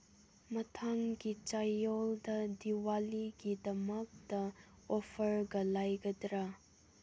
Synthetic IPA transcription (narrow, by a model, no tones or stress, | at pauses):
mɐtʰaŋɡit͡ʃajɔldɐdiwaliɡidɐmɐk̚dɐ | ɔpʰɐɾɡɐlajɡɐdɾa